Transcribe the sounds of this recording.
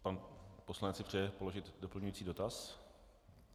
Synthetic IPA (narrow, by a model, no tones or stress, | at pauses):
panpo̞slanɛt͡sɪpr̥ɛjɛpo̞lo̞ʒɪt̪do̞pl̩ɲujiːt͡siːdo̞t̪as